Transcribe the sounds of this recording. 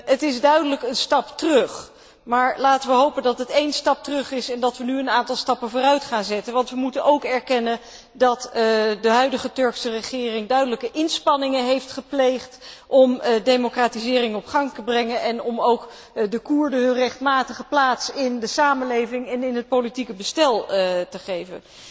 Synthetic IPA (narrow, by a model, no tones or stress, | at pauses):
ətɪzdœɥdələkənstɑptərɵχ | maːɹlaːtənʋəɦowpəndɑtətejnstɑp̚tərɵχɪsɛndɑtʋənyənaːntɑlˠstɑpənvʊːrœɥtχaːnzɛtənʋɑntʋəmutənowkɛɹkɛnən | dɑtdəɦœɥdəχətɵɹksərəχɪːrɪŋdœɥdələkəʔɪnspɑnɪŋənɦejftχəplejχtʔɔmdejmokraːtizɪːrɪŋɔpχɑŋtəbrɛŋənʔɛnɔmowk | dəkuɹdəɦɵnrɛχtmaːtəχəplaːtsɪndəsaːmənlejvɪŋɛnɪnɦət̚politikəbəstɛlˠtəχejvə̰n